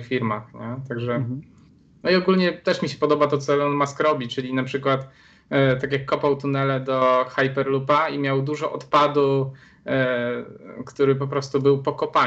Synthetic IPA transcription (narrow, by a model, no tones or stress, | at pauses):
xfʲiɾmaxɲɛt̪aɡʐɛ | nɔiɔɡulɲɛt̪ɛʂmʲiɕɛ̥pɔd̪ɔbat̪ɔt̪sɔɔnmaskɾɔbʲit͡ʂɘlʲinapʂɘkwat̪ | t̪ak̬ʲjakːɔpawt̪unɛlɛd̪ɔxajpɛɾlupaimʲjawd̪uʐɔʔɔt̪pad̪u | kt̪uɾɘp̬ɔpɾɔst̪ubɘwpɔkɔpa